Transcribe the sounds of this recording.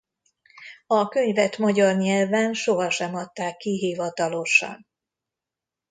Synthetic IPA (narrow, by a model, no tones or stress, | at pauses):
ɒkø̞ɲvɛt̪mɒɟɒrɲɛlvɛnʃo̞ɦɒʃɛmɒt̪ːaːkːiɦiːvɒt̪ɒlo̞ʃɒ̰n